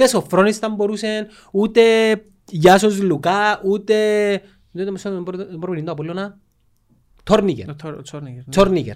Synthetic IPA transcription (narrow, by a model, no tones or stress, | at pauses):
esofɾonist̪ɐmboɾusen | ut̪e | jasozlukaʔut̪e | d̪ot̪esɾpnind̪oap̬olːonɐ | t̪ʰoɾnikḛɾ | t͡sʰoɾnikḛɾ